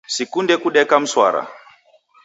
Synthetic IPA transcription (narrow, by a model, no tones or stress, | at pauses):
sikundɛkuɗɛkam̩swa̰ɾa̰